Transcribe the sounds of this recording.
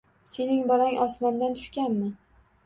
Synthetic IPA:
se̞nɪŋbɒɾaŋʔɒsmɒnd̪ant̪ʰʊ̥ʃkʲanmɪ

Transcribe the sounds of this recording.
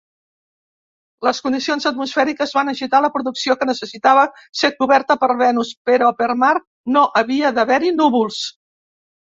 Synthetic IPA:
ləskund̪isionzət̪musfɛɾikəzβanəʒit̪aləpɾuðuksiokənəsəsit̪aβə | sekuβɛɾt̪əpəɾβɛnuspəɾɔpəɾmaɾ | noʔəβiəðəβɛɾinuβulˠs

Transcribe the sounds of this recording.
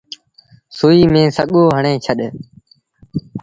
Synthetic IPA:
sʊːiːmẽːsəɠoːɦəɳẽːt͡ʃʰəɗ

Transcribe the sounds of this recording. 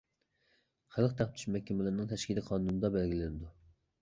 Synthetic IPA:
χælˠqt̪ʰæqp̚t̪ʰy̥ʃmɛkʲːɛmɪlɪɾnɪŋt̪ʰɛʃkʲilɪqʰɑnunɨd̪ɑbælɡʲilɪnɪd̪u

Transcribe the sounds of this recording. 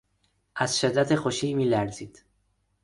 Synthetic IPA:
ʔæz̥ʃed̪ːæt̪ʰexoʃiːmiːlæɾziːd̪̥

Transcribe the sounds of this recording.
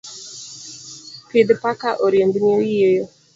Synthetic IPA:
pɪd̪pakaʔɔɾjembɲojijejo

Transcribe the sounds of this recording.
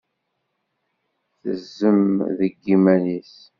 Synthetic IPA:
θəzːəmðəɡːimænis

